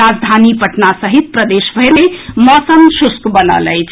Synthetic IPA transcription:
ad͡ʒd̪ʱanipəʈnasəɦit̪̚pɾəd̪esbʱəjnemɔsəmsuskbənə̰lə̰jt͡ʃʰ

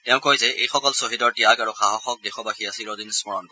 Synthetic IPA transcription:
tɛʊ̃kojzɛʔḛjxɔkɔlsoɦidɔɹtiakaɹuxaɦɔxɔk̚dexʰɔbaxʰiasiɹodinsmɔɹɔnkɔ

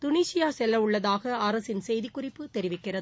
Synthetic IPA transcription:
t̪ʊniːsɪjaːsɛlːɐʋʊɭːɐðaːɣɐɐɾɐsɪnsɛjðɪkːʊrɪpːɯt̪ɛɾɪʋɪkːɪrɐðɯɯ

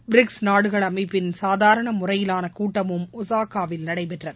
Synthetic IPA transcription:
bɪɾɪksnaːɽɯɣɐɭɐmɐɪpːɪnsaːðaːɾɐɳɐmʊrɐjɪlaːnɐkuːʈːɐmɯmʊsaːkaːʋɪlnɐɽɐɪpɛʈrɐðɯ

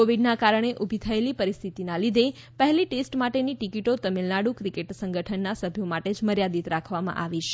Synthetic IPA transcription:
oʋiɖnakaɾəɳ̃eʔubʱit̪ʰəelipəɾist̪ʰit̪inalid̪e | pəɦɛliʈesʈmaʈeniʈikiʈot̪əmilnaɽũkɾikeʈsə̃ŋɡəʈʰənːasəbʱjomaʈed͡ʒməɾjad̪it̪ɾakʰʋamã̰ʔaʋiʃ

